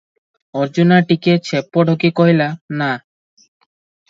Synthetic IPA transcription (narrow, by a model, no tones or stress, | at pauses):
ɔɾd͡ʑunaʈiket͡ɕʰepːɔɖʱɔkikɔɦilana